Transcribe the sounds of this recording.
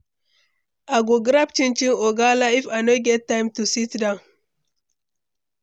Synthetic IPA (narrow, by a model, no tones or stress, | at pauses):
aɡoɡɾapt͡ʃint͡ʃiŋoɡalaifanoɡɛt̚ːãɪ̃mtusitdan